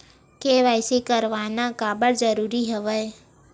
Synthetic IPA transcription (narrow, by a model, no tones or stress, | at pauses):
keʋaɪsikəɾʋaːnakaːbəɾd͡ʒəɾuːɾiɦɛʋəj